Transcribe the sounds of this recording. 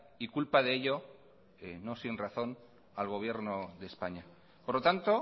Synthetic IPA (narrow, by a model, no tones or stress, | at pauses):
ikulpaðeeʎo̞ | eno̞sinraθo̞n | alɣ̞o̞β̞je̞ɾno̞ðe̞spaɲa | poɾlo̞t̪ant̪o̞